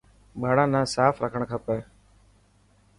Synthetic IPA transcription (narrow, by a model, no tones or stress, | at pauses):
ɓaːɽãːnãːsaːfɾəkʰəɳkʰaːpɛː